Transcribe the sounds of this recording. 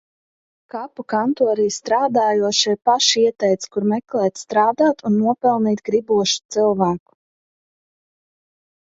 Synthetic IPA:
kapukant̪uɔɾiːst̪ɾaːd̪aːjuɔʃɛjpaʃiɛt̪ɛjt̪skuɾmɛklɛːt̪st̪ɾaːd̪aːt̪unːuɔpɛlˠniːt̪ɡɾibuɔʃu̥t̪silˠvaːku̥

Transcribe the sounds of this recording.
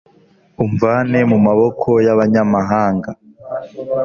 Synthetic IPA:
uɱvaːne̞mumaβo̞kʰo̞jaβaɲamaɦaːŋɡa

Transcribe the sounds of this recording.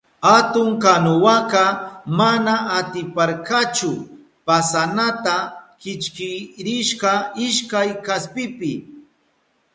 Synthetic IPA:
hat̪ʊŋkanʊwakɑmanaat̪ɪpaɾkat͡ʃʊ | pasanat̪akɪt͡ʃkɪɾɪʃkɑɪʃkajkaspɪpɪ

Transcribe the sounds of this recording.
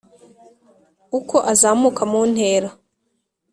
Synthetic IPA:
uko̞ʔazaːmukʰamuːn̥he̞ːɾa

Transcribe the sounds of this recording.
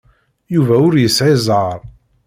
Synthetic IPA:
juvæʊɾjəsʕɪzˤʕəɾˤ

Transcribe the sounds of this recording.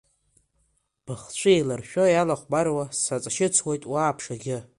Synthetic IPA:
b̥ɨχt͡ɕʷʰɨelarʃᶣojalaχʷbarwasat͡sʼaʃɪt͡sʰwejtʼwaːpʰʂaɡʲɪ

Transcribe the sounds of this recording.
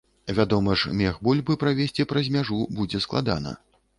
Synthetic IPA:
vʲad̪ɔmɐʂmʲɛxbulʲbɨpɾavʲesʲt͡sʲipɾɐzʲmʲaʐubud͡zʲɛsklˠad̪a̰nɐ̰

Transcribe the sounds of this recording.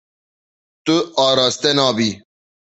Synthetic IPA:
t̪uʔaːɾaːst̪enãːbi

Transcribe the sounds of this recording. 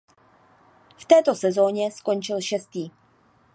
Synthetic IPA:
ft̪ɛːt̪o̞sɛzo̞ːɲɛsko̞nt͡ʃɪlʃɛst̪iː

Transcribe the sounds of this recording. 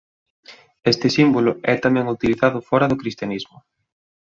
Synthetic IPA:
est̪ɪsimbolʊɛt̪amɛ̃ŋut̪iliθaðʊfɔɾɐðʊkɾist̪janizmʊ

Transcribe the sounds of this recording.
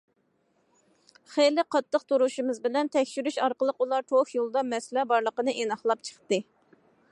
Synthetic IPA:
χejlɪqʰɑt̪ʰːəq̚t̪ʰoɾuʃɨmɨzbɪlɛnt̪ʰɛkʲʃyɾyʃɑɾqəlˠəqulˠɑt̪ʰokjolˠd̪ɑmɛslɛbɑɾlˠəqənɨʔenɑχlˠɑp̚t͡ʃʰə̥χt̪ɨ

